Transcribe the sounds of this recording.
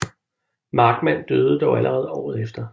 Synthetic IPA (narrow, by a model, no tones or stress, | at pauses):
mɑ̈ːɡ̥mæn̰d̥øːð̩ˠəd̥ɒʊælʔəʁɛːð̞ˠɒ̰ːð̩ˠefd̥ɐ